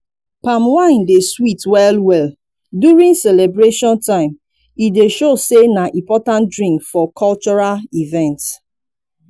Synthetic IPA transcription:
pãmwãɪ̃ndeswitwɛlwɛl | djuɹĩŋsɛlebɹeʃɔ̃ntãɪ̃m | ideʃosenaʔĩmpɔtãntdɹĩmkfɔkʰɔlt͡ʃɔɹalivɛ̃nts

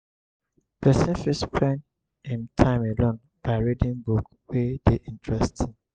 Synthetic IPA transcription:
bɛsɛ̃fispʰɹɛ̃n | ĩntʰãɪ̃melõn | b̥aɪɹidĩŋbuk | wedeʔĩntʰɹɛstʰi

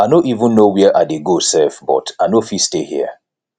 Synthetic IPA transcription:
anoʔivũnːowɛʔaɪdeɡosɛfbɔ̰taɪnofistehḭə

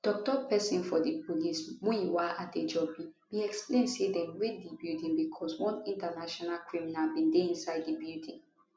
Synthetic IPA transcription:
d̥ɔk̚tɔpɛsĩnfɔdipʰolismũiwaʔated͡ʒɔbĩ | miɛksplẽndsedɛ̃nwidibiltĩŋbikʰɔswɔ̃nĩntanaʃɔnalkɹiminalbĩndeĩnsaɪddibildĩŋ

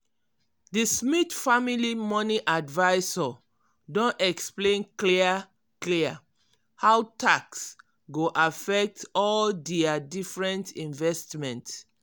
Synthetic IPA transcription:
dəsmitfamilimɔniʔadvaɪsɔ | dõntɛksplẽnkliə | klia | hawtʰaks | ɡoʔafɛk̚tɔldɛadifɹɛ̃ntĩnvɛstmɛ̃nts

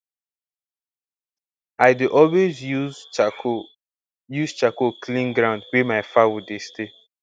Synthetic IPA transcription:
aɪdeʔɔlwezu | juzt͡ʃakoklĩnɡɾãʊ̃ndwɛmaɪfawudeste

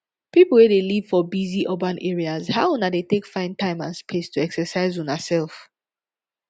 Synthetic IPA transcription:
pipl̩ˠwedeliv̥fɔbiziʔobãnʔɛɹiazhaʊunadetekfãɪ̃ntãɪ̃mãnspʰestʰuɛksəsaɪzunasɛlˠf

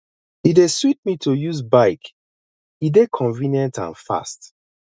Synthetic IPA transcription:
ideswit̚mitʰujuzbaɪk | idekʰɔ̃nvĩnjɛ̃ntã̰nfa̰st

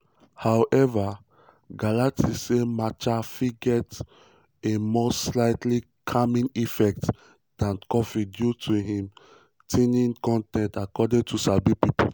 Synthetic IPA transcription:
hawʔɛva | ɡalatisemat͡ʃafiɡɛt | emɔslaɪtʰli | kʰamĩnifɛk̚t | d̥ãnkɔfidjutʰuɦĩm | tʰenĩnkɔ̃ntɛ̃ntakɔdĩntʰusabipipo

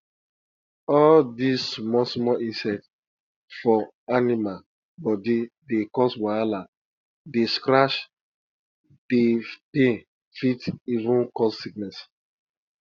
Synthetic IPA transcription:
ɔldismɔsmɔʔĩnsɛt | fɔ | anima | bɔdidekɔswaala | deskɾaʃ | d̥epẽ | fitivũnkɔsːiknɛs

